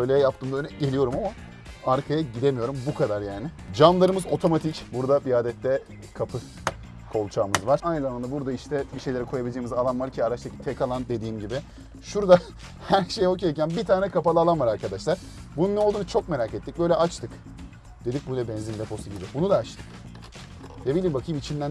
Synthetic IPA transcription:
bø̞jlʲɛjap̚t̪ɯːmd̪aønɛɟe̞lʲijo̞ɾumama | aɾkʰajaɟid̪emijo̞ɾumbukʰad̪aɾjaːnɪ | d͡ʒanlˠaɾɯmɯzo̞t̪ʰo̞mat̪ʰicbuɾd̪abiaːd̪ɛt̪ːɛ | kʰapʰɯ | kʰo̞lˠt͡ʃʰaːmɯzvaɾanɯlˠalˠand̪abuɾd̪aiʃt̪ʰɛbiʃejlʲeɾɛkʰo̞jabilʲd͡ʒejimizalˠanvaɾcʰiaɾaʃt̪ʰacʰi̥t̪ʰɛkalˠand̪e̞d̪iːmɟibɪ | ʃuɾd̪a | hæɾʃejokʰijacʰænbit̪ʰaːnɛkʰapalˠɯaːlˠanvaɾaɾkʰad̪aʃlˠaɾ̥ | bununːɛolˠd̪unut͡ʃʰo̞k̚me̞ɾaːcet̪ːic̚bø̞jlʲɛʔat͡ʃt̪ʰɯk | d̪e̞d̪ic̚bujlʲɛbɛnzind̪ɛfo̞suɟibɪbunud̪aːt͡ʃt̪ʰɯ̥k | d̪ebilʲiːmbakʰɯjmit͡ʃʰind̪æn

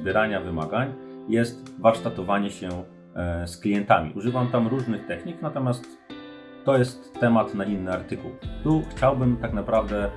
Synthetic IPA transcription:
bʲjɛɾaɲavɘmaɡaɲjɛst̪vaɾʂt̪at̪ɔvaɲɛɕɛ | sklʲijɛnt̪amʲḭʔuʐɘvamt̪amɾuʐnɘxt̪ɛxɲiknat̪ɔmʲjast̪ː | ɔjɛst̪ːɛmat̪nainːɘaɾt̪ɘkṵwt̪uxt͡ɕawbɘmt̪aknapɾavd̪ɛ

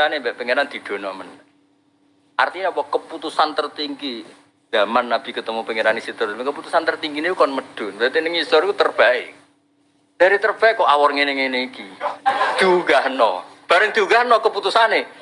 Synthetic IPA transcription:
anebɛʔpəŋeɾand̪̥i̤d̪̥o̤nɔmən | ʔa̰rt̪iɲeɔpɔkəput̪usant̪ərt̪iŋɡi | ɡ̥amanːab̥i̤kət̪əmupəŋeɾanesit̪əɾmŋkəput̪usant̪ərt̪iŋɡineukɔnməd̥ʊ̤nbat̪inɪŋisɔɾikut̪ərb̥aɪʔ̚ | d̥a̤ɾit̪ərb̥aɪkːɔʔawɔrŋenɪŋeneikid̪̥uŋaɦnɔb̥a̤ɾəŋd̪̥uɡaɦnɔkəput̪usane

